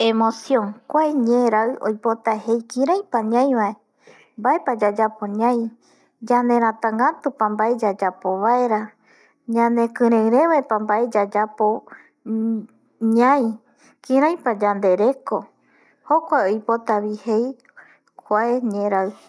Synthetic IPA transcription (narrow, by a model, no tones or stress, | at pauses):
emosjõŋkʷaeɲẽɾaɨo̰jpot̪ahejkĩɾãj̃paɲãj̃ʋae | mbaepad͡ʒad͡ʒapoɲãj̃ | d͡ʒand̪ẽ̞ɾ̃ãt̪ãŋɡat̪upãmbaed͡ʒad͡ʒapo̞βaeɾa | ɲãnekɨ̃ɾẽɾẽβaepambaʔe̞d͡ʒad͡ʒapo | ɲãj̃ | kĩɾãj̃pad͡ʒand̪e̞ɾe̞ko̞ | hokʷaeojpo̞t̪aβihe̞j | kʷaeɲẽɾaɨ